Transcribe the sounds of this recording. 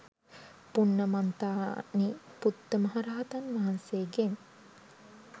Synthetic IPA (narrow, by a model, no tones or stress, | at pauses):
punːəmant̪aːniput̪ːəmɐɦaɾaːɦɐt̪ɐnʋaɦɐnseːɡen